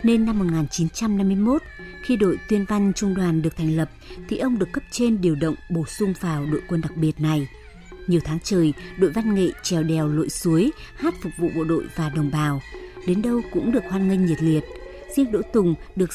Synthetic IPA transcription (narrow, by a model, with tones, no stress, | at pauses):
ne˧nːa˧mːo˨˩t̚ŋaː˨˩nt͡ɕi˨˦nt͡ɕa˧mna˧mːɨ˧əjmo˦˥t̚xi˧ɗo̰˧˨jt̪wi˧ənva˧ŋ̟t͡ɕʊ˧ŋ͡mɗwaː˨˩nɗɨ˨˩ək̚t̪ʰa˨˩ŋ̟lə˨˩p̚t̪ʰi˨˩ʔə˧wŋ͡mɗɨ˨˩əkːə˦˥p̚t͡ɕe˧nɗi˨˩əwɗə̰˧˨wŋ͡mɓo˧˩sʊ˧ŋ͡mvaː˨˩wɗo̰˧˨jkwə˧nɗa˨˩k̚ɓi˨˩ət̚na˨˩j | ɲi˨˩əwt̪ʰaː˨˦ŋt͡ɕəː˨˩jɗo̰˧˨jva˧nŋḛ˧˨t͡ɕɛ˨˩wɗɛ˨˩wlo̰˧˨jsu˨˦əj | haː˦˥t̚fʊ˨˩k̚vṵ˧˨ɓo̰˧˨ɗo̰˧˨jvaː˨˩ɗə˨˩wŋ͡mɓaː˨˩wɗe˨˦nɗə˧wkʊ̰˧˥ŋ͡mɗɨ˨˩ək̚hwaː˧nŋï˧ŋ̟ɲi˨˩t̚li˨˩ət̚ | z̥i˧ənɗo̰˧˥t̪ʊ˨˩ŋ͡mɗɨ˨˩ək̚